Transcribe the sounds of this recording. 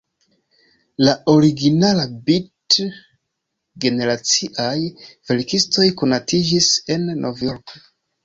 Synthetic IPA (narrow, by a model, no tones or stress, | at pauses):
lao̞ɾiɡinalabit | ɡe̞ne̞ɾat͡siʔajve̞ɾkisto̞jko̞natid͡ʒise̞nːʔo̞vjo̞ɾk